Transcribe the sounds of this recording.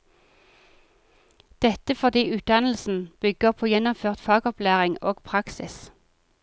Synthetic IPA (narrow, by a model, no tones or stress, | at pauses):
d̪̥ɛt̪əfɔʁd̪iːʔʉːt̪̚d̪ɑnl̩sn̩b̥ʏɡ̥əʁpʰoːjɛnʊmføːʁt̪fɑːɡɔplæːʁɪŋoːɡpʰʁɑksɪ̰s